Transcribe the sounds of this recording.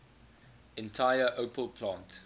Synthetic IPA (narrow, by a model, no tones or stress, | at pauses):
ɛ̃ntʰaɪəʔopʰəlpʰlɑ̃ːnt